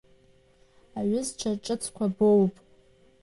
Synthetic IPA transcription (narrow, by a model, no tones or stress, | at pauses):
aɥʊzʈ͡ʂʷʰaʈ͡ʂʼɨt͡sʰkʷʰabowpʼ